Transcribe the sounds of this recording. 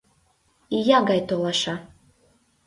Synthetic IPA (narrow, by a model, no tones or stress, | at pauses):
ijaɡajt̪olˠaʃa